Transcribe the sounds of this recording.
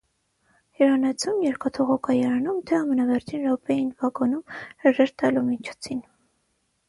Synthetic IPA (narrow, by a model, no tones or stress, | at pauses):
hiɾɑnɛt͡sʰumjɛɾkɑt̪ʰɔʁɔkʰɑjɛɾɑnumt̪ʰɛɑmənɑvɛɾt͡ʃʰinɾɔpɛjinvɑɡɔnumɾəʒɛɾt̪ɑlumit͡ʃʰɔ̥t͡sʰin